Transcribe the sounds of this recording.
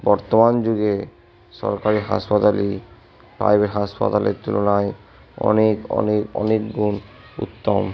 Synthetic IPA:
bɔɾt̪omand͡ʑuɡe | ʃɔ̰ɾkaɾiɦa̰spat̪ali | pɾa̰jbʱeʈɦaspa̰t̪alḛɾt̪ulonaj | ɔ̰nekɔ̰nekɔ̰nekɡun | ṵt̪ːom

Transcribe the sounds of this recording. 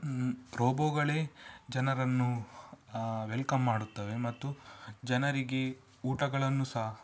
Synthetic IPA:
ɾoːboːɡɐɭeːd͡ʒɐnɐɾɐnːu | ʋelkɐmːaːɽut̪ːɐʋe̞mɐt̪ːud͡ʒɐnɐɾiɡe | uːʈɐɡɐɭɐnːusɐɦɐ

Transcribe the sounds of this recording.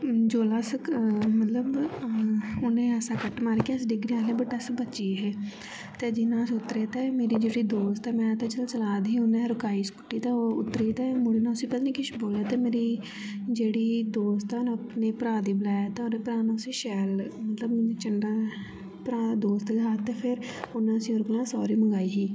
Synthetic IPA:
d͡ʒoːlaːsəkmət̪ləb | ʊnẽːəsãːkəʈmaːɾekeəsɖɪɡɾiãːlẽːbəʈəsbəːt͡ʃiːɦɛː | t̪eːd͡ʒɪnãːsʊt̪ːɾeːt̪ɛːmeːɾiːd͡ʒeːɽiːd̪oːst̪ɛːmɛ̃ːt̪eːt͡ʃəlt͡ʃəlaːd̪iːʊnɛ̃ːɾʊkaːiːskʊ̥ʈːiːt̪aːoːʊ̰t̪ːɾiːt̪ɛːmʊɽeːnaːsĩːpət̪nĩːkɪʃboːlaːt̪eːmeːɾiː | d͡ʒeːɽiːd̪oːst̪ɛñːəpneːpəɾaːd̪iːbəlaːjaːt̪eoneːpəɾaːnãsĩːʃɛːlmət̪ləbt͡ʃəɳɖaː | pɾaːd̪oːst̪ɡaːt̪eːpʰɪɾʊnãːəsĩːoɾʊknãːsɔːɾiːməŋɡaːiːɦiː

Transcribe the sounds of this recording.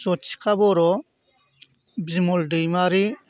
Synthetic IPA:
zɔtt͡ʃi̥kʰabɔɾɔ | bzimɔldɯjmaɾi

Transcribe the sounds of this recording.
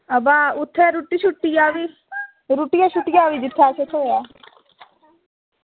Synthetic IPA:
əbaːʊt̪ʰːɛːɾuːʈːiːʃʊʈːijaːʋiː | ɾuːʈijaːʃʊʈːɪjaːʋiːd̪ɪt̪ʰːaːt͡ʃʰet̪ʰoːjaː

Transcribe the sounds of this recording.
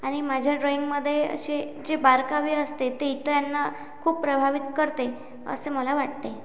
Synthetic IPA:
aɽ̃imad͡ʑʱjaɖɾoiŋɡməd̪ʱːjeə̰ɕed͡ʑebaɾkaʋiːəst̪et̪eit̪əjanːa | kʰuːppːɾəbʱaʋit̪kəɾt̪e | ə̰seməlaʋaʈ̚t̪e

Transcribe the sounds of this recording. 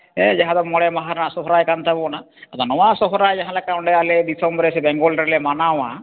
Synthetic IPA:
ɛd͡ʒaɦãd̪ɔmɔɭɛmaɦaɾnasɔɦɾajkant̪abɔna | at̪ɔnɔwãsɔɦɾaːjd͡ʒaɦãlakaɔɳɖɛjaled̪isɔmbɾesɛbɛŋɡɔlɾɛlemanawa

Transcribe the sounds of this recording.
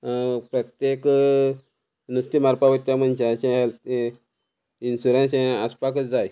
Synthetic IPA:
pɾət̪jek | nusʈ̪imaɾpaʋət̪ːjam̤ənt͡ɕẽəɕẽɦɛl | insuɾãnsẽəspak̬ət͡sd͡zaj

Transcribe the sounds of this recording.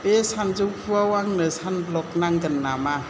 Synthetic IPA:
pesanzupʰuawaŋnɯsanblɔk̚naŋɡənːama

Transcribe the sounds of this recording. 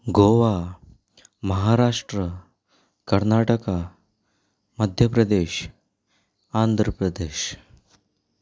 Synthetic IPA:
ɡoʋa | məɦaɾaʂʈɾə | kəɾnaʈəka | məd̪ʱjəpɾəd̪eɕ | and̪ʱɾəpɾəd̪eːɕ

